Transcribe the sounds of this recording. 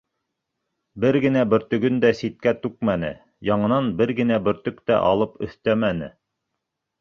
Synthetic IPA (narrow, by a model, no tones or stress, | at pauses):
bɘɾɡɘ̆næbɘ̆ɾt̪ɵ̆ɡɵnd̪æsit̪̚kæt̪ʉk̚mænɘ̰ | jɑɴɤ̆nɑnbɘɾɡɘ̆næbɵ̆ɾt̪ɵkt̪æ̰ʔɑ̰lˠɤpɵ̆θt̪æmænɘ̰